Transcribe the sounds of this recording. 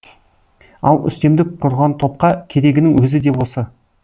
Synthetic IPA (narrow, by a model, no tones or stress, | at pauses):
ɑ̰lˠʏ̰st̪e̞md̪ɪk̚qʰʊɾʁɑnt̪ʰo̞p̚qɑkʲʰe̞ɾe̞ɡʲɪnɪŋwɵzɪd̪e̞bosɑ